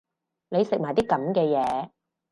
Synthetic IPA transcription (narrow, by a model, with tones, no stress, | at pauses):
ne˨˧jsɪ˨k̚maː˨˩jt̪iː˦˥kɐ˨˥mkɛː˧jɛː˨˧